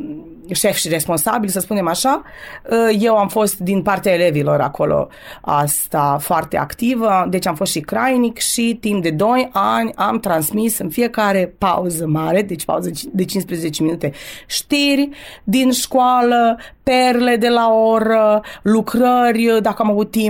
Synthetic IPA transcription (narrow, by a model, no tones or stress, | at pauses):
ʃe̞fʃire̞spo̞nsa̰bilʲsəspune̞maʃa | əje̞wamfo̞st̪d̪inpart̪eaele̞vilo̞ɾa̰ko̞lo̰ | a̰st̪afoart̪e̞a̰kt̪ivəd̪e̞t͡ʃamfo̞st̪ʃikɾajnikʃit̪imp̚d̪e̞d̪o̞janʲamt̪ɾansmisɨnfie̞kaɾe̞pa̰uzəmaɾe̞d̪et͡ʃʲpa̰uzəd̪e̞t͡ʃinspɾezezet͡ʃeminut̪e̞ʃt̪irʲd̪inʃkoaləpe̞rle̞d̪e̞lao̞ɾəlukɾərʲd̪akəamavut̪̚ːim